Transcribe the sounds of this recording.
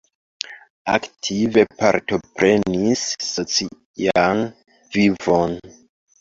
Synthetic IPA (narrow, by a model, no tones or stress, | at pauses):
aktʰive̞paɾto̞pɾe̞nisːo̞t͡si | an | vivo̞n